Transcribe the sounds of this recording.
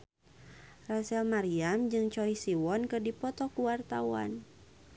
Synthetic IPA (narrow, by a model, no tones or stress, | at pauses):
rasɛlmaɾiamd͡ʒɨŋt͡ʃɔisiwɔnkɨrdipɔt̪ɔkuwart̪awa̰n